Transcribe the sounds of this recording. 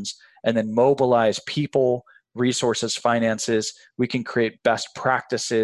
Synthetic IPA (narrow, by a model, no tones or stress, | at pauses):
nz̥ | ʔɨ̃nðɨ̃nmoʊbəlaɪz̥pʰipl̩ˠ | ɹisɔɹsɨz̥fãɪ̃ñæ̃nsɪz̥ | wikʰɨ̃nkʰɹ̥ieɪt̚b̥ɛspʰɹ̥æk̚tɨsɪ